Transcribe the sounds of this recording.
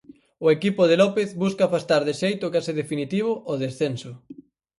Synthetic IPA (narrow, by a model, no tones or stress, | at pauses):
ʊekipʊð̞elɔpeθβuskafast̪aɾðɪʃejt̪ʊkaseðefinit̪iβ̞ʊʔoðesθensʊ